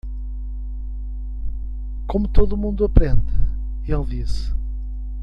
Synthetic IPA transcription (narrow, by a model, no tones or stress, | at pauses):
komut̪oðumũnd̪uɐpɾẽnd̪ɨ | elˠd̪is